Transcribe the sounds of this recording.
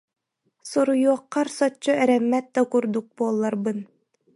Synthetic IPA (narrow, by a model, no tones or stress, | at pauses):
sɔɾujuɔqːɑɾsɔt͡ɕːɔɛɾɛmːæt̪̚d̪akuɾd̪uk̚buɔlˠːaɾbɯn